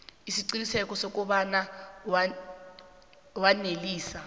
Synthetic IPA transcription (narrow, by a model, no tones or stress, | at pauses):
isiǀinisɛk̬ʼɔsok̬ʼuɓanaw | waneliːsa